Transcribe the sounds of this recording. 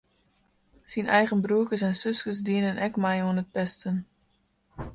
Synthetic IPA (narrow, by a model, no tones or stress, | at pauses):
sinɛjɣənbruəkəs̬ɛnsøskəsdiənənʔɛkmajuənət̚pɛstən